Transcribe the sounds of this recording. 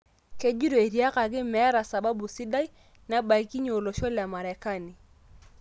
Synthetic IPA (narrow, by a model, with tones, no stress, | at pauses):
ke˦d͡ʒi˦ɾɔ˨e˨ɾi˨a˦ka˨kɪ˦mɛ˨˦ɾa˨sa˨ba˦bu˨sɪ˦da˦i˦ | na˨ba˨i˦ki˦ɲɔ˨o˨lɔ˨ʃɔ˦lɪ˨a˨ma˨ɾɛ˨ka˦˨ni˨